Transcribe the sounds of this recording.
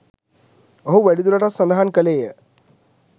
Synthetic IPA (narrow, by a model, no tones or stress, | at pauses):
əɦoʋɐɽid̪uɾɐʈasːənd̪aɦankəleːjə